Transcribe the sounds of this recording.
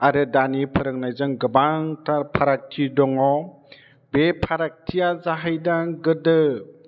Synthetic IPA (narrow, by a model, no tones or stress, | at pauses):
aɾɯdanipʰɯɾɯŋnajzɯŋɡɯbaŋtapʰaɾak̚tʰidɔŋɔ | bepʰaɾak̚tʰijazaɦajdaɡɯdɯ